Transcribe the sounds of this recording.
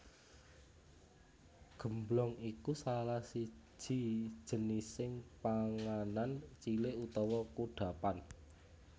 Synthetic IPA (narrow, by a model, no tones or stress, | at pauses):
ɡ̥ə̤mblɔŋikusalahsi̥d͡ʒ̥ʒ̥i̤̥ʒ̥ə̤nisɪŋpaŋanant͡ʃileut̪ɔwɔkuɖ̥ä̤pan